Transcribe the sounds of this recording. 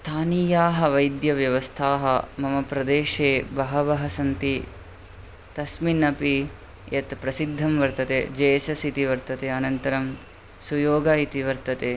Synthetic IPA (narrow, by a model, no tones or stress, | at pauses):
st̪ʰaːniːjaːɦɐʋɐjd̪jɐʋjɐʋɐst̪ʰaːɦɐ̰mɐmɐpɾɐd̪eːʃeːbɐɦɐʋɐɦɐsɐnt̪i | t̪ɐsminɐpi | jɐt̪pɾɐsid̪ʱːɐmʋɐɾt̪ɐt̪ḛːd͡ʒɐjɐsɐsit̪iʋɐɾt̪ɐt̪eːɐnɐnt̪ɐɾɐm | sujoːɡaːit̪iʋɐɾt̪ɐt̪eː